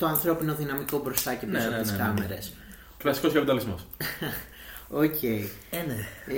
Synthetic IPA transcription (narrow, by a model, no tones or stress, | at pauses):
t̪oɐnθɾo̞pino̞ðinɐmiko̞bɾo̞st̪ɐcepɾosiskɐme̞ɾe̞s | lɐsi̥koskɐpeid̪ɐlizmo̰s | ocʰe̞i | ne